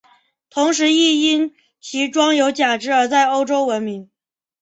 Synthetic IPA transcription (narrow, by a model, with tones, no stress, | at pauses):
t̪ʰʊ˧˥ŋʂ̬ɻ̩˧˥i˥˩i˥n | t͡ɕʰi˧˥ʈ͡ʂwɑ˥ŋjo˧˥ʊt͡ɕja˨˩ʈ͡ʂɻ̩˧˥ə˞˧˥t͡sa˥˩ɪo˥ʊʈ͡ʂo˥ʊwə˧˥nmi˧˥ŋ